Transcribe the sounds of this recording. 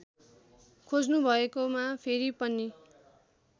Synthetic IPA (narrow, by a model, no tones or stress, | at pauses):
kʰod͡znubʱʌekomapʰeɾipʌnːi